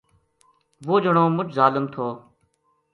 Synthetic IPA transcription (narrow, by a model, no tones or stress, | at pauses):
ʋoːd͡ʒəɳõːmʊt͡ʃʰzaːləmt̪ʰoː